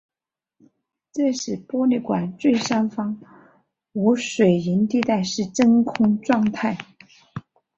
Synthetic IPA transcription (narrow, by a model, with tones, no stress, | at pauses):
ʈ͡ʂe˥˧ʂɻ̩˨˩pwɔ˥li˥˩kwa˨˩nt͡swe˥˩ɪʂa˥nfɑ˥ŋ | u˧˥ʂwe˨˩ɪi˧˥nt̪i˥˧t̪a˥˧ɪʂɻ̩˥˩ʈ͡ʂə˥nkʰʊ˥ŋʈ͡ʂwɑ˥˧ŋt̪ʰa˥˩ɪ